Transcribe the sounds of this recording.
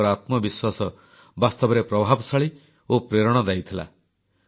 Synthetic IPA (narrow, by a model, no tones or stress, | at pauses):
ɔɾat̪mɔbiswasɔ | bast̪ɔbɔɾepɾɔbʱabɔsaɭi | opɾeɾɔɽ̃ɔd̪ajt̪ʰila̰